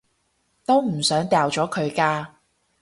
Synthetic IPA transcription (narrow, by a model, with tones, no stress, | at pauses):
t̪o˥wm̩˨˩sœː˨˥ŋt̪ɛː˨˧wt͡sɔː˨˥kʰɵ˨˧ɥkaː˧